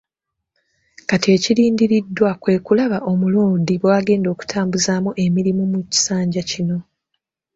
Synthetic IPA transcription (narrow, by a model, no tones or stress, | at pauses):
katie̞ciɾiːndiɾidːwakwe̞ːkulaβaʔo̞muloːdiβwaːɡe̞ːndo̞ːku̥tʰaːmbuzaːmuʔe̞miɾimumuci̥saːɲɟacino̞